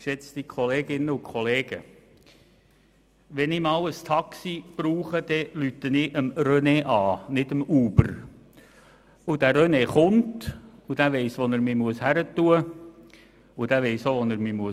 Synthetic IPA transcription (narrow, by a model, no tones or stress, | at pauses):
ʃɛt͡st̪ikχɔleːɡ̥ɪnːəʊkʰɔleːɡ̥ə | ʋɛnɪmɑːwəst̪ʰɑksib̥ɾuːχəd̪̥ɛlytənɪʔəmɾœneʔɑːnɪdəmuːb̥əɾ | ud̥æɾœneχʊntud̥æʋɛɪsʋɔnəɾmimuəshæɾətuə | ʊd̥̪æʋɛɪsoʋɔnəɾmimuə